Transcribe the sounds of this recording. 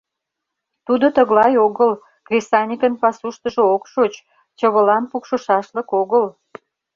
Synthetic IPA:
t̪ud̪ot̪əɣlɑjoɣəl | krʲisɑnʲikənpɑsuʃt̪əʒookʃot͡ɕ | t͡ɕəβə̆lɑnpukʃə̆ʃɑʃləkoɣəl

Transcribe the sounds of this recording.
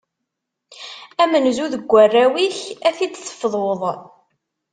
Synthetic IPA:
æmənzuðəɡʷːərːæwiçæθid̪θə̥fðˤoðˤ

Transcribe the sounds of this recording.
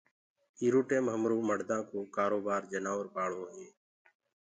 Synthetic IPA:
iːɾuːʈeːmɦəmɾuːməɽd̪ãːkoːkaːɾoːbaːɾd͡ʒənaːʋəɾpaːɭoːɦeː

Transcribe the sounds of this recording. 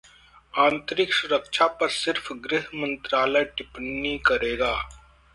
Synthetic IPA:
ãːnt̪ɾɪksʊɾəkʃʰapɐɾsɪɾfɡɾɪɦmə̃nt̪ɾaːlɛʈɪpnːikɐɾeːɡaː

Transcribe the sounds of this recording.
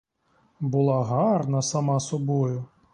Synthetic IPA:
bʊlˠɑɦɑrnɐsɐmɑsɔbɔjʊ

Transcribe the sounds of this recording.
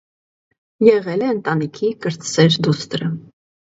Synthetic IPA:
jɛʁɛlɛənt̪ɑnikʰikəɾt̪sɛɾd̪ust̪əɾə

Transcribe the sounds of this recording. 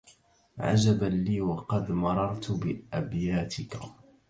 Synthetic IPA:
ʕa̰d͡ʒabaliːwɑqɑd̪mɑɾˤɑɾˤt̪bɪʔabjaːt̪ɪk

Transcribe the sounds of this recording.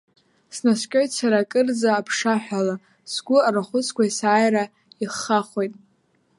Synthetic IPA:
snaskʲʼojtʼsaɾakʼɨrd͡zaːpʰʂaħʷᶣala | sɡʷʊaraχʷʊt͡sʰkʷʰaisaːjra | iχːaχo̞jtʼ

